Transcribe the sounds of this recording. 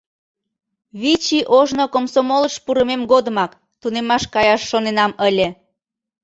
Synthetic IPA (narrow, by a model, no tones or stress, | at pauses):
βit͡ɕiʔoʒnokomsomoləʃpuɾəmemɡod̪əmɑk | t̪unemɑʃkɑjɑʃːonenɑməlʲe